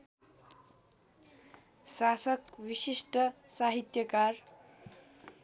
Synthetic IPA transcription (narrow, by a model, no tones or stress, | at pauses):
sasʌkwisisʈʌsaɦit̪jʌkar